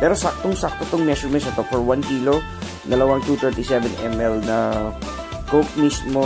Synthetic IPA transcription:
pɛːɾosak̚t̪oŋsak̚t̪ot̪oŋmɛʃʊɹmɛnsɐt̪ofɔɹwankiːlo | d̪ɐlɐwaŋt̪uːt̪ɛɹt̪isɛvɛnʔɛmʔɛlnɐ | kok̚mismo

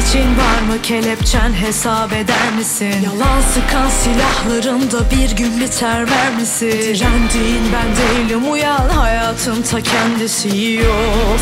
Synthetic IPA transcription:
t͡ʃʰinvaɾmɯcʰelʲɛpt͡ʃʰænɦesabe̞d̪æɾmisinjalˠansɯkʰansilʲahlˠaɾɯnd̪abiɾɟynlʲyt̪ʰæɾvæɾmisiænd̪ijinbænd̪eilʲimujahajaːt̪ʰɯnt̪ʰacʰɛnd̪isijijo

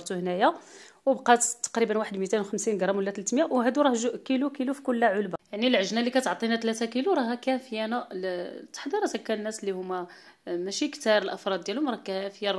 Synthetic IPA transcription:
ɾˤt̪uhənæjawbqɑt̪t̪ːɑ̥qɾibənwaħəd̪mit̪enwxəmsinɡɾˤɑmwəlːæt̪læt̪mjæwɦæd̪uɾˤɑhʒʔkilukilufi̥kʊlːæʕʊlbajaʕnilʕəʒnælikæt̪ʕt̪ˤinæt̪læt̪ækiluɾˤɑɦækæfəjænælt̪ːə̥ħd̪iɾæt̪ækːænːæslːihʊmːæ | mæʃikt̪ɑɾˤəlʔəfɾˤɑd̪ːjælʊmɾˤɑkæfəjæ

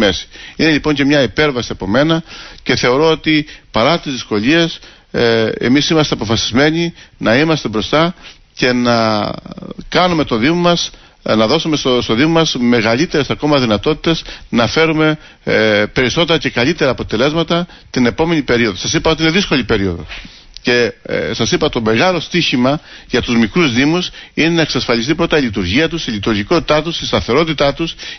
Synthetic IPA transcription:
mesi̥ine̞ʎipo̞ɲce̞mɲɐipe̞ɾvɐsiɐpo̞me̞nɐce̞θe̞o̞ɾo̞ot̪ipɐɾɐt̪izðisko̞ʎie̞s | e̞̰misimɐst̪eɐpofɐsi̥zme̞ɲinɐimɐst̪e̞bɾo̞st̪ɐ | ce̞nɐ | kɐnume̞t̪oðimomɐs | nɐðo̞sumesost̪o̞ðimomɐsme̞ɣɐʎit̪e̞ɾesɐko̞mɐðinɐt̪o̞t̪i̥t̪e̞znɐfe̞ɾume̞ | pe̞ɾiso̞t̪e̞ɾɐce̞kɐlit̪e̞ɾɐːpo̞t̪e̞le̞zmɐt̪ɐ | t̪ine̞po̞me̞nipe̞ɾio̞ðo̞sɐsipɐot̪ine̞ðisko̞lipe̞ɾio̞ðo̞̰ | ce̞sɐsipɐt̪o̞me̞ɣɐlo̞st̪içimɐʝɐt̪uzmikɾuzðimusine̞nɐeksɐsfɐlist̪ipɾo̞t̪ɐilit̪̬uɾʝiɐt̪̬usilit̪uɾʝiko̞t̪i̥t̪ɐt̪usist̪ɐθe̞ɾo̞t̪it̪ɐt̪us

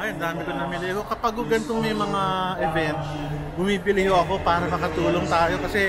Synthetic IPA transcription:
ʔajnd̪aːmɪkonɐmɪlɛjɐko̞kɐpaɡ̚hʊɡɐnt̪oŋmɐjmɐŋaʔɛvɛnt̪̚ | bʊmiːbɪlɪhoʔɐko̞paːɾɐmɐkɐt̪uːloŋt̪aːjo̞kɐsɛ

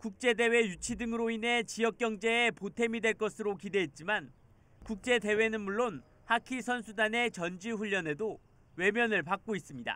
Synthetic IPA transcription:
kuk̚t͡ɕ͈e̞de̞we̞jut͡ɕʰidɯŋɯɾoinɦe̞t͡ɕijʌk͈̚jʌŋd͡ʑe̞ːpotʰe̞midwe̞ɭk͈ʌsʰɯɾokide̞ɦet̚t͡ɕ͈iman | kuk̚t͡ɕ͈e̞de̞we̞nɯnmuɭːon | hakʰisʰʌnsʰudane̞t͡ɕʌnd͡ʑiɸuʎːʌne̞do | we̞mjʌnɯɭpak̚k͈ois͈ɯmɲida̰

